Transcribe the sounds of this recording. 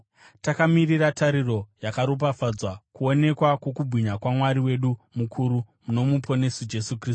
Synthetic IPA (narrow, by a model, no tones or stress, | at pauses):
takamiriratʰaɾiro̞jakaɾop̬afad͡zwakuo̞ne̞kwakwo̞kubʱwiɲakwamwaɾiwe̞ɗumukʰuɾumuno̞mupʰo̞ne̞sud͡ʒe̞sukriːs